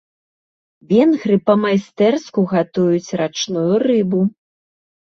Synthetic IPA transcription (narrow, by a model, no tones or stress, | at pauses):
vʲɛnɣɾɨpɐmajst̪ɛrskuɣat̪ujut͡sʲrat͡ʂnujurɨbu